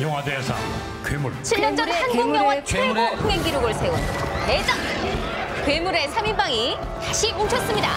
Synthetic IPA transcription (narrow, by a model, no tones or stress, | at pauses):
jʌŋɦadesʰa̰ | kwemuɭt͡ɕʰiʎːʌnd͡ʑʌanɡoŋjʌŋwat͡ɕʰɾpʰuŋeŋɡiɾoɡɯɭsʰe̞oned͡ʑʌŋ | kwemuɾe̞sʰaminbaŋi | taɕʰimunt͡ɕʰʌs͈ɯmɲida̰